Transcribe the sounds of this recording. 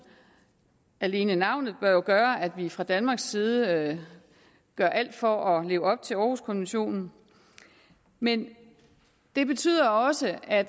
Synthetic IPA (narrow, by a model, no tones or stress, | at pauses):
æle̝ːnənɑ̈ʊ̰nð̞̩ˠb̥ɶɐjoɡ̥ɶːɐæd̥ʋifʁɑ̈d̥ænmɑ̈ːɡ̥siːð̞ˠə | ɡ̥ɶɐ̰ʔæl̰d̥fɒ̽ʔɒ̽le̝ːʊɒ̽b̥̚t͡sʰe̝lɒːhuskʰɔ̽nʋenɕo̝̰ːnn̩ | men | d̥e̝b̥e̝t͡sʰy̰ð̰ˠɐɒ̽səæd̥